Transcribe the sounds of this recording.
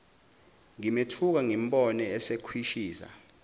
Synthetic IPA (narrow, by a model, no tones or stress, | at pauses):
ŋimetʰuk̬aŋim̩ɓʼɔnɛɛsekʰwiʃiːsa̰